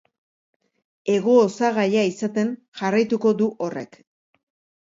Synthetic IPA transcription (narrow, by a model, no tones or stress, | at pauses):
e̞ɣo̞ːsaɣajaisat̪e̞n | ʝarajt̪uko̞ðuʔore̞̰k